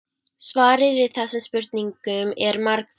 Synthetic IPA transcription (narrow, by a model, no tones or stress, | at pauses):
svaːɾɪɾvɪðθɛsːɪmspʏɾt̪̚niŋkʏmɛɾmaɾk